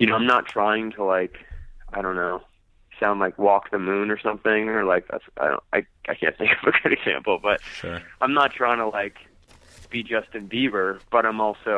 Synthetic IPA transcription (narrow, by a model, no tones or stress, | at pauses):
jɨnoʊãɪ̃mnətʰɹ̥aɪɪ̃ŋtʰəlaɪkaɪɾõʊ̃nːoʊ | sãʊ̃ndlaɪkwɔk̚ðɨmʉ̃nə˞sʌ̃mθɪ̃ŋə˞laɪkɨ̰saɪɾõ̰naɪ | aɪkʰæ̰̃nmɪ̃ŋkʌvɨɡʊɾɨɡ̥z̥æ̰̃mpl̩ˠb̥ʌt̚ãɪ̃mnətʰɹ̥aɪɪ̃ŋtʰəlaɪk | b̥id͡ʒʌstɨ̃nbivə˞b̥ʌɾãɪ̃mɔlˠsoʊ